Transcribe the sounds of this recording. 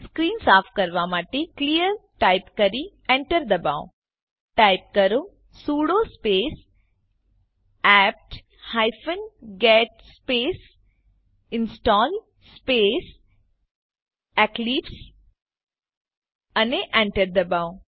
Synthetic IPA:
skɾiːnsaːfkɐɾʋamaːʈeklijəɾʈaːɪpkəɾi | ẽɳʈəɾd̪ɐbaːõ̰ | ʈaːɪp̚kɐɾo | suːɽospeːs | ɛːp̚ʈ | haɪfənɡɛːʈ̚speːs | ɪnsʈɔːl | speːs | ɛkliːps | ɐneʔẽɳʈəɾd̪ɐbaːõ

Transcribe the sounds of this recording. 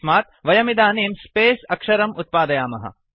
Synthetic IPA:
maːt̪̚ʋɐjɐmid̪aːneːmspeːsɐkʂɐɾɐmut̪̚paːd̪ɐjaːmɐɦɐ̰

